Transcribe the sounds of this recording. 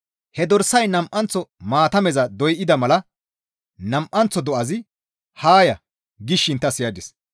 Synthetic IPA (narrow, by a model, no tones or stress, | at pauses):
hɛd̪ɔɾsɐjnɐmʔɐnt͡sːɔmaːt̪ɐmɛzɐd̪ɔjʔɪd̪ɐmɐlɐ | nɐmʔɐnt͡sːɔd̪ɔʔɐzɪ | haːjɐ | ɡɪʃːɪnt̪ːɐsɪjɐd̪ɪs